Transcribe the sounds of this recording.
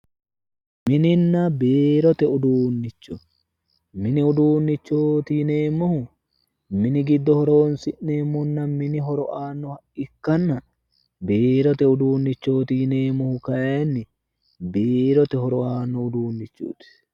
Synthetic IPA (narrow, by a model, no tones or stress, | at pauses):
mɪnɪnːɐbeːɾɔt̪ɛʊd̪uːnːɪt͡ʃːɔ | mɪnɪʊd̪uːnːɪt͡ʃːoːt̪ine̞ːmːɔhʊ | mɪnɪɡɪd̪ːɔhɔɾo̞ːnsɪʔeːmːɔnːɐmɪnɪɦɔɾɔʔaːnːɔhɐʔɪkːɐnːɐ | beːɾɔt̪ɛʊd̪uːnːɪt͡ʃːo̞ːt̪ine̞ːmːɔhʊkɐjenːɪ | beːɾɔt̪ɛɦɔɾɔaːnːɔʊd̪uːnːɪt͡ʃːṵːt̪ɪ̥